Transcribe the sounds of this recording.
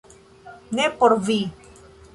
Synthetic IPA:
nepoɾvi

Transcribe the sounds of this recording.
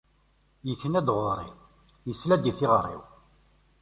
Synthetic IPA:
jəçːənæd̪ʁoɾˤḭ | jəslæd̪ifɪʁərˤːḭw

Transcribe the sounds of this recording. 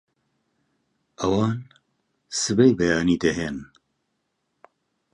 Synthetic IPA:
ɐwɑːn | sɨbejbɐjaːniːd̪ɛɦeːn

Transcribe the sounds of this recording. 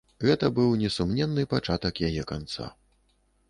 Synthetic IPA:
ɣɛt̪ɐbɨwnʲɛsumnʲɛnːɨpat͡ʂat̪ɐkjajɛkant̪sa̰

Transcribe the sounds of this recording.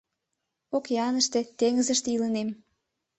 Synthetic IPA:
okjɑnəʃt̪et̪eŋəzəʃt̪eilənem

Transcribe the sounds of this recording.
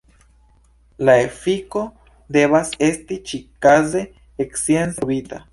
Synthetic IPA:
laefiko | d̪eβasest̪it͡ʃikaze | eksjensoβit̪a

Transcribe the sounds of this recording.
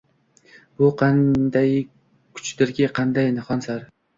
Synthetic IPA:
bʊqʰɑnd̪aj | kʰʊ̥t͡ʃd̪ɪɾɡʲɪqʰɑnd̪ajnɪχɒnsaɾ

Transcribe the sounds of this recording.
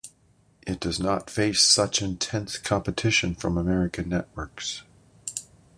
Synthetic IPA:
ʔɨt̚d̥ʌznətfeɪsʌt͡ʃɨ̃ntʰɛ̃nskʰɑ̃mpɨtʰɪʃɨ̃nfɹʌ̃məmɛɹɨkɨ̃nːɛʔ̚wɜ˞ks

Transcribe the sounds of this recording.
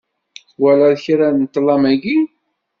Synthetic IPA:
θwælæðçɾænt̪ːlɑmæɡi

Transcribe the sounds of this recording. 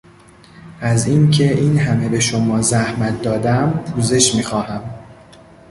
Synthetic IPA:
ʔæziːncʰe̞ʔiːnɦæme̞be̞ʃomɒːzæhmæt̪̚ʰd̪ɒːd̪æmpʰuːze̞ʃmiːxɒːhæm

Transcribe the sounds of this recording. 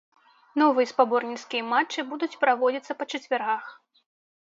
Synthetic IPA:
nɔvɨjɐspabɔrnʲit̪skʲijɐmat͡ʂːɨbud̪ut͡sʲpɾavɔd͡zʲit̪sɐpɐt͡ʂɐt͡sʲvʲarɣax

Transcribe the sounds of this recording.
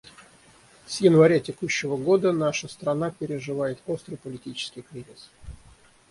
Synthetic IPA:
sjɪnvɐɾʲatʲɪkuɕːɪvəɡo̞d̪ənaʂəst̪ɾɐnapʲɪɾʲɪʐɨvajɪt̪o̞st̪ɾɨjpəlʲɪtʲit͡ɕɪ̥skʲɪjkɾʲizʲɪs

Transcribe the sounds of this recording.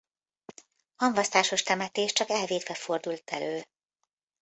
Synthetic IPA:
hɒɱvɒst̪aːʃo̞ʃt̪ɛmɛt̪eːʃt͡ʃɒkɛlveːd̪vɛfo̞rd̪ult̪ʰɛløː

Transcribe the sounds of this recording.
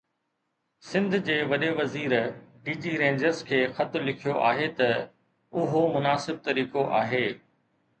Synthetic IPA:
sɪ̃nd̪ʱd͡ʑeːʋɐɗeʋɐziːɾɖiːd͡ʑiɾẽːɲd͡ʑəɾzkʰeːxɐt̪ʊlɪkʰijoʔaːɦet̪ɐ | ʊɦomʊnaːsɪb̚t̪ɐɾiːkoʔaːɦeː

